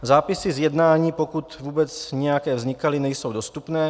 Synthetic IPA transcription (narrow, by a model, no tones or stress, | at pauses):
zaːpɪsɪzjɛdnaːɲiːpo̞kut̪vuːbɛt͡sɲɛjakɛːvzɲɪkalɪnɛjso̞wdo̞st̪upnɛː